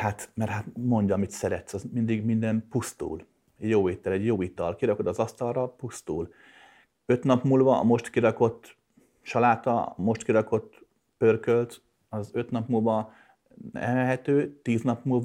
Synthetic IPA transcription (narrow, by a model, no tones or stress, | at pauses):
hat̪mɛrɦat̪mo̞ɲɟɒmit̪sɛɾɛt̪sɒzmind̪iɡmind̪ɛmpust̪ṵːl | ɛjoːeːt̪ːɛlɛɟjoːit̪ɒlkiɾɒkod̪ɒzɒst̪ɒrrɒpust̪uːl | ø̞t̪nɒpmuːlvɒ̰ːmo̞ʃt̪kiɾɒko̞t̪ː | ʃɒlaːt̪ɒ̰mo̞ʃt̪kiɾɒko̞t̪ː | pø̞rkølt̪ | ɒzø̞t̪nɒpmuːlvɒ | nɛ̰ɛɦɛt̪øːt̪iːznɒpmuːlv